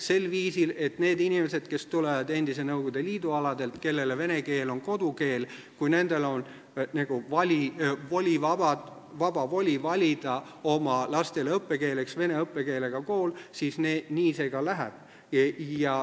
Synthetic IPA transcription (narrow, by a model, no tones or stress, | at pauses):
se̞lviːsile̞t̪ne̞ːd̪inʲimese̞d̪̥ke̞st̪ulevɑd̪e̞nd̪̥is̬e̞nɤwɡ̥ud̪̥e̞liːd̪uɑlɑd̪e̞lt̪ke̞lːe̞leve̞ne̞ke̞ːlo̞nko̞d̪uke̞ːl | kujne̞nd̪̥e̞lo̞n | næɡ̥uvɑlʲivo̞lʲivɑbɑ̥ | vɑb̥ɑvo̞lʲivɑlʲid̪̥ɑo̞mɑlɑst̪e̞lɤpːe̞ke̞ːle̞ksve̞ne̞ɤpːe̞ke̞ːle̞ɡ̥ɑko̞ːlsiːsneːniːse̞ːɡ̥ɑlæɦæ̰b̥ | jɑ